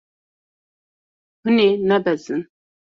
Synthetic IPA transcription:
mɨnenɛbɛzɨn

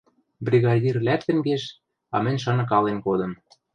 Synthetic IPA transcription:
brʲiɣɑdʲirlæk̚t̪ɘ̆mɡeʃ | ɑ̰mɘ̆nʲʃ̬ɑnɤ̆k̬ɑlenkod̪ɤ̆m

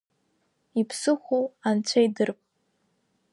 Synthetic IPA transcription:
ipʰsɨχʷowant͡ɕʷʰaidɨrpʼ

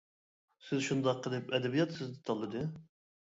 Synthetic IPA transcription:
sɪzʃund̪ɑqʰːəlˠɨpɛd̪ɛbijɑt̪sɪzd̪ɪt̪ʰɑlˠːɨd̪ɨ

